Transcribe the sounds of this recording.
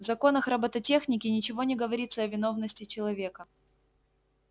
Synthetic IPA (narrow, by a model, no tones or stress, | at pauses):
vzɐko̞nəxrɐbət̪ɐtʲe̞xnʲɪkʲɪnʲɪt͡ɕɪvo̞nʲɪɡəvɐɾʲit̪səɐvʲɪno̞vnəsʲtʲɪt͡ɕɪlˠɐvʲe̞kə